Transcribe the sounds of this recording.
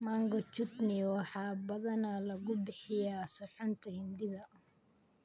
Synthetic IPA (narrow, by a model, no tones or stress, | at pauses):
maŋɡɔt͡ʃʊt̪nɪwɑħɑːbɐðɐnɐlɐɣʊbɪħɪjaːsɔħɔnt̪ʰɐhɪnd̪ɪðɐ